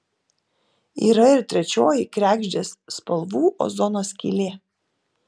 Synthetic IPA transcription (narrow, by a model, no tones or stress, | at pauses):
ḭːɾɐɪɾt̪ʲɾʲɛt͡ʃʲoːjɪkɾʲæːɡʒʲd͡ʒʲeːsːpɐlˠʋuːʔo̰zɔnoːsʲkʲḭlʲeː